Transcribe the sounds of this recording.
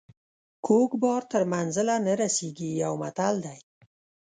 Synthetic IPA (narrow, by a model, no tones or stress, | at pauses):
kʰokbɑɾt̪əɾmanzɪlanəɾaseɡiawmat̪ald̪aj